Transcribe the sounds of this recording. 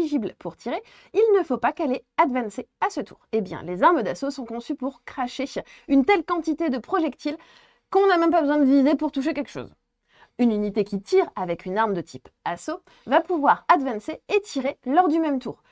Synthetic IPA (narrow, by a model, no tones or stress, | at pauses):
iʒiblpʰuʁt̪ʰiʁe | ilnəfopakalead̪vɛ̃nseasət̪ʰṵːʁebjɛ̰̃lezaʁməd̪asosɔ̃kɔ̃sypuʁkχaʃe | ynt̪ɛlkɑ̃t̪it̪ed̪əpχɔʒɛkt̪il | kɔ̃namɛ̃mpabəzwɛ̃d̪əvizepuʁt̪uʃ̬ekʲɛlkʃo̰z | ynynit̪ekʲit̪ʰiʁavɛkʰynaʁmd̪ət̪ʰipaso | vapuvwaʁad̪vɛ̃nseet̪ʰiʁelɔʁd̪ymɛmt̪ṵːʁ